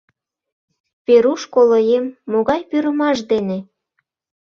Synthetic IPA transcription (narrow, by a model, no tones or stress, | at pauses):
peɾuʃkolojemːoɣɑjpyɾəmɑʃd̪ene